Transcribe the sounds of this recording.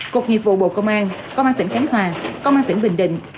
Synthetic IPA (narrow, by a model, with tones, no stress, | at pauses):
ku˨˩ək̚ɲi˨˩p̚vṵ˧˨ɓo̰˧˨kə˧wŋ͡mʔaː˧nkə˧wŋ͡mʔaː˧t̪i˧˩ŋ̟xɛ˨˦ŋhwaː˨˩kə˧wŋ͡mʔaː˧nt̪ŋ̟ɓï˧˨˩ŋ̟ɗḭ˧˨ŋ̟